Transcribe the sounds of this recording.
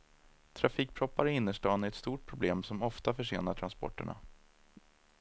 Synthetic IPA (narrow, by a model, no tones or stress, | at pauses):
t̪ʰɾafiːk̚pʰɾɔpːaɾɪɪnːəʂʈɑːnæɾɛt̪st̪uːʈ̚pʰɾʊbleːmsɔmɔft̪afœʂeːnaʈʰɾanspɔ̰ʈːə̰ɳa̰